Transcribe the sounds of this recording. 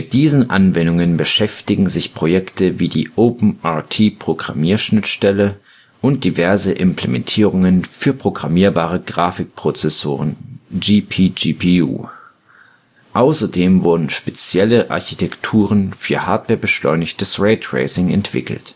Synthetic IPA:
mmɪt̚d̥iːzn̩ʔanvɛndʊŋənbəʃɛftɪɡŋ̩zɪçpʁ̥ojɛktəviːdiːʔoːpm̩ʔaːtʰiːpʁ̥oɡʁa̰miːɐʃnɪtʃtɛlə | ʔʊnt̚d̥ivɛɐzəʔɪmpleɛmɛ̰ntʰiːʁʊŋənfyːɐpʁ̥oɡʁamiːɐbaːʁəɡʁaːfɪk̚pʁ̥ot͡sɛsoːʁ̞ənd͡ʒiːpʰiːd͡ʒiːpʰiṵː | ʔaʊsɐdeːmvʊɐdn̩ʃpet͡sjɛləʔa̰ɐçitʰɛktʰuːʁ̞ənfyːɐhaːɐtv̥ɛːɐbəʃlɔ̰ʏnɪçtəsʁeːtʁḛɪsɪŋɛ̰ntv̥ɪ̰kl̩t

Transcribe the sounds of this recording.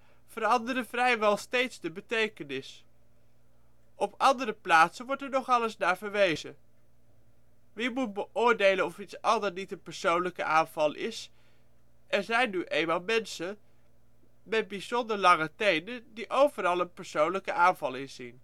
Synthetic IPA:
v̥əɾɑndəɾəv̥rɛjʋɛlˠstejtzdəbətejkənɪs | ɔpɑndəɾəplaːtsənʋɔɹtɛɹnɔχɑləsnaːɹvəɹʋejzə | ʋimut̚bəʔʊːɹdejlənɔfitsɑndəɹnitənpəɹsownləkə̰ʔaːnv̥ɑlˠʔɪ̰s | ɛɹzɛjnːyʔeːmaːlˠmɛnsə | mɛd̚bizɔndəɹlɑŋətejnədiʔowvəɾɑlˠənpəɹsownləkəʔaːnvɑlˠɪnzḭn

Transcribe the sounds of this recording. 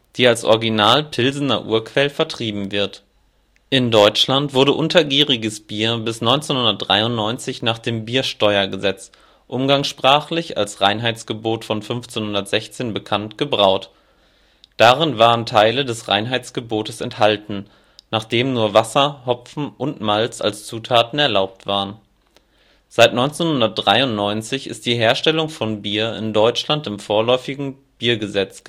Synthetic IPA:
d̥iːalsʔɔ̰ɐɡinaːlpʰɪlzn̩ɐ̰ʔṵːɐkv̥ɛlfɛɐtʁ̥iːbm̩vɪɐt | ʔɪndɔʏt͡ʃlantv̥ʊɐɾəʔʊntʰɐɡiːʁɪɡəsb̥iːɐbɪsnɔʏnt͡senhʊndɐt̚d̥ʁa̰ɪʊntnɔʏnt͡sɪçnaːχd̥eːmbiːɐʃtɔʏɐɡəzɛt͡s | ʔʊmɡaŋsʃpʁ̥aːχlɪça̰lsʁaɪnɦaɪt͡sɡ̥əboːtfɔnfʏnft͡senhʊndɐtz̥ɛçt͡seːnbəkʰantɡ̥əbʁaʊt | d̥aːʁɪnvaːʁəntʰaɪlədɛsʁa̰ɪnɦaɪt͡sɡ̥əboːtəsɛnthaltn̩ | naːχd̥eːmnuːɐvasɐhɔp͡fn̩ʔʊntmalt͡sa̰lst͡suːtʰaːtn̩ɛɐlaʊp̚tv̥aːʁən | z̥aɪtnɔʏnt͡senhʊndɐt̚d̥ʁaɪʊntnɔʏnt͡sɪçɪ̰st̚d̥iːɦeːɐʃtɛlʊŋfɔnbiːɐɪ̰ndɔʏt͡ʃlantɪmfoːɐlɔʏfɪɡŋ̩ | b̥iːɐɡəzɛt͡s

